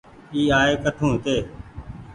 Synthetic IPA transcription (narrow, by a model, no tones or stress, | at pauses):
iːaːeːkəʈʰũːt̪eː